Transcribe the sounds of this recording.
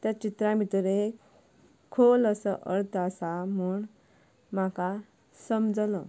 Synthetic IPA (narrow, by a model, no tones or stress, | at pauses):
t̪at͡ɕit̪ɾãbʱit̪əɾek | kʰoləsəʔəɾt̪ʰasamuːɳ | maka | səmd͡zlə